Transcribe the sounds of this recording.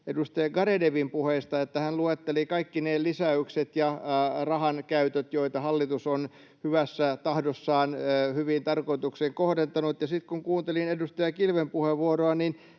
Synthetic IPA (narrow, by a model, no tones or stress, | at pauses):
edust̪ɑjɑɡɑɾedeʋimpuheist̪ɑet̪ːæhænluet̪ːelikɑikːinelisæykset̪jɑrɑhɑnkæyt̪øt̪joit̪ɑhɑlːit̪uson | hyʋæsːæt̪ɑhdosːɑːnːhyʋint̪ɑrkoit̪ukseːŋkohdent̪ɑnut̪jɑsit̪kuŋkuːnt̪elinedust̪ɑjɑkilʋempuheʋuoroɑnin